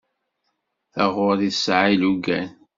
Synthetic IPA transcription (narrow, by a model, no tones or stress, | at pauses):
θəʁʊðisʕiluɡæn